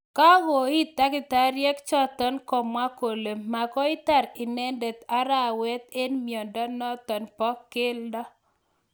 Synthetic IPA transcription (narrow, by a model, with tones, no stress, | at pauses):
ka˦ɣo˨i˦t̪a˦kɪ˨t̪a˦ɾjɛ˦kt͡ʃɔ˦t̪ɔ˦nkɔ˨mwa˦ko˨le˨ma˨kɔ˦i˦t̪a˨ɾɪ˨nɛ˦nde˨t̪a˦ɾa˦˨wɛ˦t̪̚e˦nmjɔ˨ndɔ˦nɔ˦t̪ɔ˨npɔ˦kɪ˦ldɔ˦